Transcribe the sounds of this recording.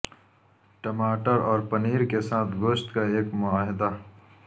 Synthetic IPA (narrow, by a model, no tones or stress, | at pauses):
ʈɐmaːʈəɾɔːɾpɐniːɾkesaːt̪ʰɡoːʃt̪kaeːkmʊaːɦɪd̪a